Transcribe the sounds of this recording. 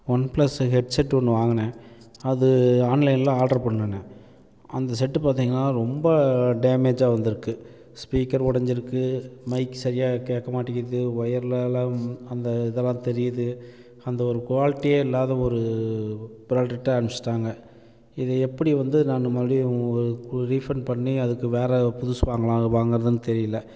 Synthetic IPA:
ʋɐnplɐsɦɛɖsɛʈːɔnːɯʋaːŋɡɐnɐ | ɐðɯaːnlɐɪnlãːaːɖɐɾpɐɳːɐnːɐ | ɐnd̪ɐsɛʈːɯpaːɾt̪iːŋɡɐnːaːɾɔmbɐɖeːmeːd͡ʒaːʋɐnd̪ɪɾɯkːɯ | spiːkɐɾɔɽɐɲd͡ʒɪɾɯkːɯmɐɪkːɯsɐɾɪjaːkeːʈkːɐmaːʈːɪɣɪɾɐðɯʋɐjɐɾɪlɛlãːɐnd̪ɐɪðɛlːãːt̪ɛɾɪjɐðɯ | ɐnd̪ɐɔɾɯkʋaːlɪʈːijeɪlːaːðɐɔɾɯ | bɪɾaːlʈɐʈːɐɐnmsɪ̥ʈːaːŋɡɐ | ɪðɯɛpːɐɽiʋɐnd̪ɯnaːnɯmɐðɾiɔɾɯɾiːfɾɐnpɐɳːiɐðɯkːɯʋeːɾɛpʊðʊsʋaːŋɡɐɭãʋaːŋɡɯɾɐðɯnɯt̪ɛɾɪjɪlːɐ

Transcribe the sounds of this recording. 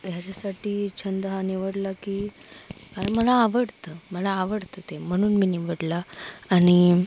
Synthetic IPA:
jat͡ɕasaʈiːt͡ɕʰənd̪əɦaniʋəɽlakiːkaɾəɳməlaːʋəɽt̪əːməlaːʋəɽt̪ət̪em̤əɽ̃uːnmiːniʋəɽlaːɽ̃i

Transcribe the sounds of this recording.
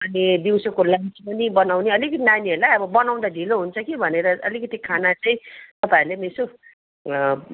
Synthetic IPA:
ʌnid̪iwsokolat͡spʌnibʌnawneʌlikʌt̪inanieɾlajʌbʌbʌnaw̃d̪ad̪ʱiloɦunt͡sʰʌkibʱʌneɾʌʌlikʌt̪ikʰanat͡sʌĩt̪ʌpãilemeso

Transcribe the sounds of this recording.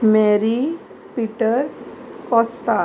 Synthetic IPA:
meɾi | piʈəɾkɔːst̪a

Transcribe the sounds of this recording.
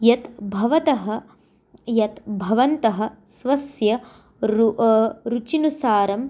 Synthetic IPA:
jɐt̪bʱɐʋɐt̪ɐɦɐ̆ | jɐt̪bʱɐʋɐnt̪ɐɦɐ̆ | sʋɐsjɐ | ɾut͡ʃinusaːɾɐm

